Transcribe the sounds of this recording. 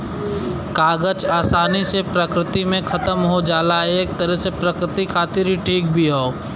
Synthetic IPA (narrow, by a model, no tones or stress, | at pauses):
kaːɡət͡ʃaːsaːnisepɾəkɾɪt̪imẽkʰɐt̪əmɦod͡ʒaːlaɦɛeːk̚t̪əɾəɦsepɾəkɾɪt̪ikʰaːt̪ɪɾɦiʈʰiːk̚bʱiɦoː